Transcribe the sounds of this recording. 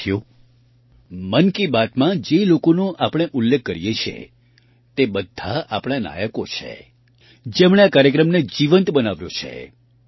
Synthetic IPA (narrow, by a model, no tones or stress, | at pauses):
jo | mənkibat̪mãd͡ʒelokonõʔapɽ̃eʔʊlːekʰːəɾijet͡ʃʰḛ | t̪ebəd̪ʱːa̰a̰pɽ̃ana̰jəkot͡ʃʰḛ | d͡ʒemɳeakaɾjəkɾəmned͡ʒiʋənt̪bənaʋjo̰t͡ʃʰḛ